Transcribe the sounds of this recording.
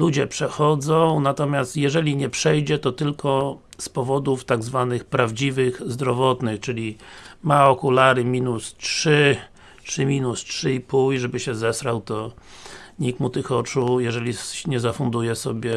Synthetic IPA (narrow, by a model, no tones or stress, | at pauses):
lud͡ʑɛpʂɛxɔd̪zɔ̃w̃nat̪ɔmʲjast̪jɛʐɛlʲiɲɛpʂɛjd͡ʑɛt̪ɔt̪ɘlkɔspɔvɔd̪uft̪aɡzvanɘxpɾavd͡ʑivɘxzd̪ɾɔvɔt̪nɘxt͡ʂɘlʲimaɔkulaɾɘmʲinustʂɘ | tʂɘmʲinustʂɘipuliʐɛbɘɕɛzɛsɾawt̪ɔ | ɲik̚t̪mut̪ɘxɔt͡ʂujɛʐɛlʲiɲɛzafund̪ujɛsɔbʲjɛ